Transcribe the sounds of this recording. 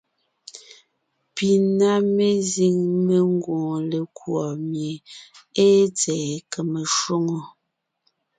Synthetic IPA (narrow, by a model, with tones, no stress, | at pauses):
pi˨na˦me˦zi˦ŋme˨ŋ˦ɡwõː˨le˨kwɔ˨mje˨e˦t͡sɛ˨ke˨me˨ʃwo˦ŋo˨